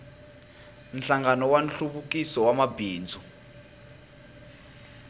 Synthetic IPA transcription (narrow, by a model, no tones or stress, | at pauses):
nɬaŋɡanɔwanɬuβukisɔwamabiːnd͡zʱu